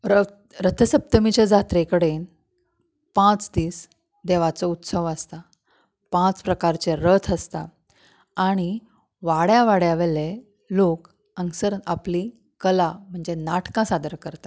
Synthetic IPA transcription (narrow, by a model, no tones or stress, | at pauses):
ɾə | ɾət̪ʰəsəp̚t̪əmit͡ɕed͡zat̪ɾekəɽen | pãt͡sd̪iːs | d̪eʋat͡sɔut̪səʋəst̪a | pãt͡spɾəkaɾt͡ɕeɾət̪ʰəst̪aː | ɽ̃i | ʋaɽjaʋaɽjaʋeɭe | lok | əŋksəɾapli | kəlam̤əɳd͡zenaʈkãsad̪əɾkəɾt̪a